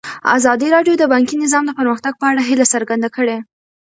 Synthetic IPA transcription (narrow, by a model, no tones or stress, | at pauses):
a̰zɑd̪iɾɑɖjod̪əbɑŋkinɪzɑmd̪əpəɾməxt̪aɡ̚pəaɽaɦilasəɾɡand̪akəɽe